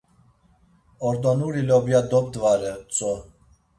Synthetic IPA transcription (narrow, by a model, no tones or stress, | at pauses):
ɔɾd̪ɔnuɾilɔbjad̪ɔp̚d̪vaɾɛt͡sʼɔ